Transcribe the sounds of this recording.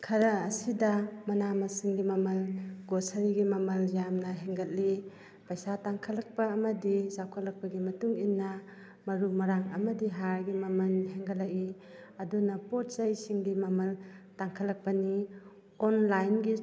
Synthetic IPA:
kʰɐɾɐːsidɐmɐnamɐsiŋɡimɐmɐlɡosaɾiɡimɐmɐljamnɐɦeŋɡɐt̚li | pɐjsataŋkʰɐlɐk̚pɐːmɐdisawkʰat̚lɐk̚pɐɡimɐtuŋinːɐ | mɐɾumɐɾaŋɐmɐdiɦaɾɡimɐmɐnɦeŋɡɐlaʔi | ɐdunɐpɔt̚sɐjsiŋɡimɐmɐltaŋkʰalːɐk̚pɐni | ɔnlajnɡi

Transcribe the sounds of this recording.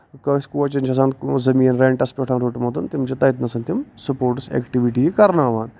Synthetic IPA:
kɐskuːɐt͡ʃɐnt͡ʃʰɐsaːnzɐmiːɐnɾeːɳʈɐspʲeʈʰaːnɾoːʈmɐt̪unt̪imt͡ʃɐt̪ɐit̪nɐsɐnt̪ʲimsɐpoːɾʈsḛːkʈiʋiʈiikɐɾnaːʋaːn

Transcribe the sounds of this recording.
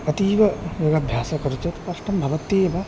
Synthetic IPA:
ɐt̪iːʋɐjoɡɐbʱjaːsɐkɐɾut͡ʃɐt̪pɐʂʈɐmbʱɐʋɐt̪ːeːbɐ

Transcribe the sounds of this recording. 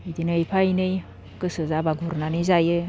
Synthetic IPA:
idinɯjpʰajnɯj | kɯsɯzabaɡuɾnanɯzajɯ

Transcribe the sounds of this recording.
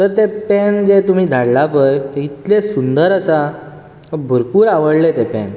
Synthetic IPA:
t̪əɾt̪epɛnd͡ʑet̪um̤iːd̪ʱaɽlapəɾit̪lesund̪əɾasa | bʱəɾpuːɾaʋəɽlet̪epɛ̰n

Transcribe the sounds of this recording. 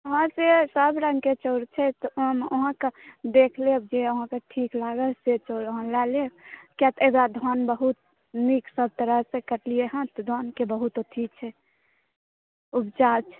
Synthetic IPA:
oɦãsesəbɾə̃ŋɡket͡ʃoɾt͡ʃʰɛt̪ɔmoɦãked̪ekʰleb̚d͡ʒeoɦãkeʈʰiklaɡəset͡ʃoɾoɦãlɛlekjat̪ebɾad̪ʱɔnbəɦut̪̚ | miksəb̚t̪əɾəɦsẽkəʈlijeɦə̃t̪d̪ʱɔnkebəɦut̪otʰit͡ʃʰɛ | ubd͡ʒat͡ʃʰ

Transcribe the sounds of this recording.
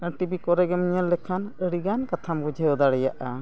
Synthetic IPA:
əʈibikɔɾɛɡɛmiɲəlːɛkʰanəɽiɡankat̪ʰamɡɔd͡ʒʱɛjɔd̪aɽɛjaʔa

